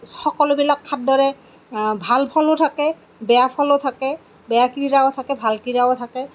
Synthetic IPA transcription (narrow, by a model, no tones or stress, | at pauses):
xɔkɔlobilakʰːat̚dɔɹɛ | bʱalpʰɔlotʰakɛ | bɛjapʰɔlotʰakɛ | bɛjakiiɹaotʰakɛbʱalkiɹaotʰakɛ